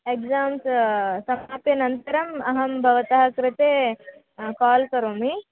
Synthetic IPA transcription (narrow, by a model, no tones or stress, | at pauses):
ekzaːmssɐmaːpjɐnɐnt̪ɐɾɐmɐɦɐmbʱɐʋɐt̪ɐɦɐkɾɪt̪eː | kaːlkɐɾoːmi